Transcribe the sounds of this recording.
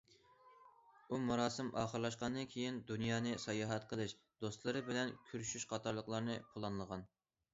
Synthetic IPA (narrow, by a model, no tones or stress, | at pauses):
umuɾɑːsɨmʔɑ̰ːχəɾlˠɑʃqɑnd̪ɨnkʲʰejind̪unjɑːnɨsɑjɑːɦɛt̪̚qʰəlˠɨʃ | d̪ost̪lˠɨɾɨbɪlɛnkʲʰyɾyʃyʃqʰɑt̪ʰɑɾlˠəqlˠɑɾnɨpʰolˠɑnlˠəʁɑn